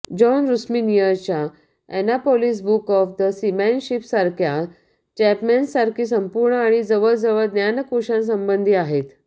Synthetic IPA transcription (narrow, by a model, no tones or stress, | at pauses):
d͡ʑɔnɾusminijəɾt͡ɕja | ænapolis̬bukɔfd̪əsimɛnɕipsaɾkʰja | t͡ɕæpmensaɾkʰiːs̬əmpuɾɳəaɽ̃id͡zəʋəɭd͡zəʋəɭd̪njanəkuɕãns̬əmbənd̪ʱiːaɦet̪